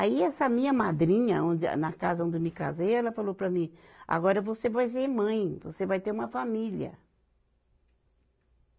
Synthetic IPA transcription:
aiɛsɐmĩɲɐmad̪ɾĩɲɐõd̪nɐkazɐõnd̪ɪmika̰ziɛlɐfalowpɾɐmĩ | a̰ɡɔɾɐvosevajs̬emɐ̃j̃vo̰sevajt̪eɾũmɐfamiliɐ̰

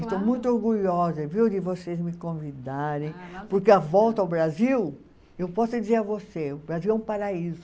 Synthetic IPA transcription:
ɪst̪owmũj̃t̪̬ʊoɾɡuʎɔzɐviwd̪ɪvosezmɪkõvid̪aɾẽj̃poɾkeavɔwt̪ɐawbɾaziw | ewpɔsʊd͡ʒizeɾɐvoseʊbɾaziwɛũpaɾaizʊ

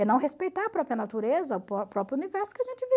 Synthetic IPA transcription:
ɛnɐ̃w̃ɦespejt̪aɾɐpɾɔpɾjɐnat̪uɾezɐʊppɾɔpɾʊunivɛɾsʊ̥kɪɐʒẽnt͡ʃɪvi

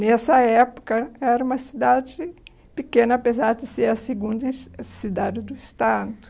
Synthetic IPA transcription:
nɛsɐɛpo̥kɐɛɾɐũmɐsid̪ad͡ʒɪ | pikẽnɐːpezaɾd̪ɪseɾɐseɡũnd̪ɐsid̪ad͡ʒɪd̪ʊist̪ad̪ʊ̥

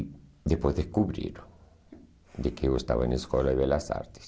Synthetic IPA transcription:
d̪ehpwezðeskuβɾḭɾ | d̪ekeewest̪a̰βaeneskolaeβelasa̰ɾt̪e̥s

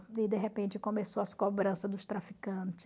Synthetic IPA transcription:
ɪd̪eɦepẽnt͡ʃɪkõmesoɐskobɾɐ̃sɐd̪ʊst̪ɾafikɐ̃t͡ʃɪ̥

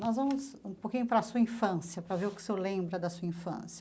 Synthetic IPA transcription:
nɔzvɐ̃mʊzũpokĩɲʊpɾɐsuɐĩfɐ̃sjɐpɾɐveɾʊkɪ̥selẽbɾɐd̪ɐsuɐĩfɐ̰̃sjɐ

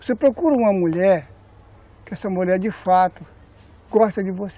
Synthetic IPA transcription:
osepɾokuɾɐũmɐmuʎɛɾ | kɪɛsɐmuʎɛɾdɪfat̪ʊ | ɡɔst̪ɐd͡ʒɪvose

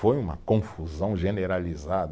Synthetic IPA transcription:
ojũmɐ̰kõfuzɐ̃w̃ʒeneɾalizad̪

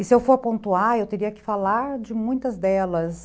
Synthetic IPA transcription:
ɪsɪewfoɾpõnt̪uaɾewt̪eɾiɐkɪ̥falaɾd͡ʒɪmũj̃t̪ɐzd̪ɛlɐs

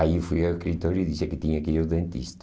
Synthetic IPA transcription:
aifujɐweʃkɾit̪oɾiðisekɪt̪iɲɐkiɾɐðẽnt̪ḭʃt̪

